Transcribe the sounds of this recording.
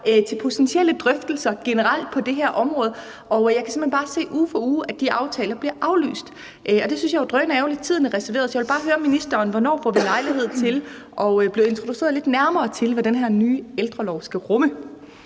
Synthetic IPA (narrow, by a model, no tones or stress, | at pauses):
t͡sʰe̝lpʰo̝t͡sʰensiel̰əd̥ʁœfd̥l̩sɐɡ̥enəʁɑl̰d̥̚pʰɒ̽d̥e̝ɦæɐ̰ʔɒ̽mʁɔ̽ːð̩ˠ | ʔɒ̽jɑ̈ɪkʰæsem̥enbɑ̈ːse̝̰ːʔuːfɒuːæ̥d̥iɑ̈ʊt͡sʰɛːlɐb̥liɐʔɑ̈ʊly̰ːsd̥ | ʔɒ̽d̥e̝synsjɑ̈ɪʋɑd̥ʁœnɛːʊle̝d̥̚t͡sʰiðˠnəʁɛsɐe̝̰ɐðˠsjɑɪʋelb̥ɑ̈ːɦøːɐminisd̥ɐːnʋɒnɒ̰ːfɒ̰ːʋilɑ̈ɪliɦe̝ð̞̰ˠt͡st͡sʰe̝l | ʔɒ̽b̥le̝ʊe̝nt͡sʰʁo̝d̥use̝̰ɐðˠle̝d̥næɐmɐːt͡sʰe̝lʋæd̥enɦæɐ̰nyːeld̥ʁɐlɒʊsɡ̥æʁɔmə